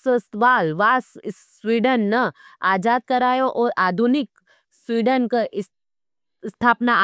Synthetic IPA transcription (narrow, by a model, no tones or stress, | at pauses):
səsʋaːlʋaːs | ʋiːɖənːəaːd͡ʒaːd̪̚kɐɾaːjoʔɔːɾʔaːd̪ʱunɪk | swiːɖənke | st̪ʰaːpna